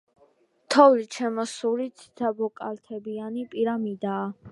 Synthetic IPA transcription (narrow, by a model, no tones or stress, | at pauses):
t̪ʰɔvlit͡ʃʰɛmɔsuɾit̪sʰi̥d̪ʰabɔkʼalt̪ʰɛbianipʼiɾamid̪aː